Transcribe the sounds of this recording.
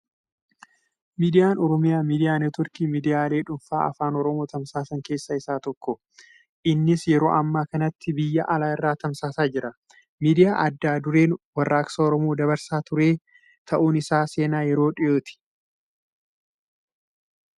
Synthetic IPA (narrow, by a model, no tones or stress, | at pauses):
miːd̪ɪjaːnɔɾɔmɪjaːmiːd̪ɪjaːnɛt̪ʊɾkiːmiːd̪ɪjaːle̞ːᶑʊnfa̰ːɐfaːnɔɾɔmoːt̪ɐmsaːsɐŋke̞ːsːɐɪsaːt̪ɔkːɔ | ʔɪnːɪsjɛɾo̞̰ːʔɐmːaːkɐnɐt̪ːɪbɪjːɐ̰ʔɐlaːɪrːaːt̪ɐmsaːsaːd͡ʒɪɾɐ | miːd̪ɪjaːʔɐd̪ːaːd̪ʊɾe̞ːnwɐrːaːksɐɔɾɔmoːd̪ɐβɐɾsaːt̪ʊɾe̞ː | t̪ʰɐʔuːnɪsaːse̞ːnaːjɛɾo̞ːᶑɪjoːt̪ɪ̥